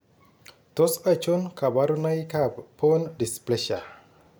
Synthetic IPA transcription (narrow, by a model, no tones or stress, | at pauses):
t̪osat͡ʃonkabaɾunajkappʰːondispleʃa